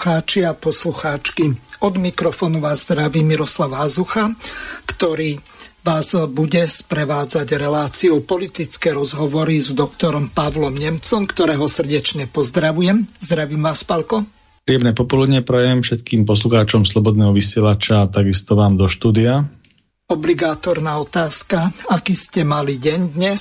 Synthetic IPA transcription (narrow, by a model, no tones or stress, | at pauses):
xaːt͡ʃiapɔsluxaːt͡ʃkiɔd̪mikɾɔfɔːnuʋaːzd̪ɾaʋiːmiɾɔslaʊɦazuxakt̪ɔɾiː | ʋaːzbuɟɛspɾɛʋaːd͡zaɟɾɛlaːt͡siupɔlit̪it͡skɛːɾɔzɦɔʋɔɾizd̪ɔkt̪ɔɾɔmpaʋlɔmɲɛmt͡sɔmkt̪ɔɾɛːɦɔsr̩ɟɛt͡ʃɲɛpɔzd̪ɾaʋujɛmzd̪ɾaʋiːmʋaːspalkɔ | pɾiːɛmnɛpɔpɔlud̪ɲɛpɾɛjɛmfʃɛt̪kiːmp̬ɔs̬luxaːt͡ʃɔmslɔbɔd̪nɛːɦɔʋisɪɛlat͡ʃaːt̪aɡist̪ɔʋaːmd̪ɔʃt̪uːd̪ia | ɔbliɡaːt̪ɔɾnaːɔt̪aːskaakiːscɛmaliɟɛɲd̪ɲɛ